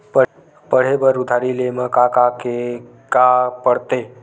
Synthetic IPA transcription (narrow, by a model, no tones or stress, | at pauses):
pə | pəɽ̤ebəɾʊd̪ʱaɾileməkakake | kapəɽt̪e